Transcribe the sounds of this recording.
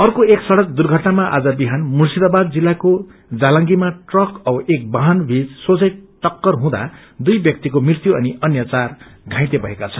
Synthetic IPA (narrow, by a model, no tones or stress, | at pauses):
ʌrkoeksʌɽʌk̚d̪urɡʱʌʈnamaʔa̰d͡zʌbiɦanmursid̪abad̪̚d͡zilːako | d͡zalʌŋɡimaʈrʌkʌʔek̚baɦanbʱid͡zsot͡sʌjʈʌkːʌrɦũd̪a̰ | d̪ujbjʌk̚t̪ikomrirt̪juʔʌniʌnjʌt͡sarɡʱãj̃t̪ebʱʌɦekat͡sʰʌn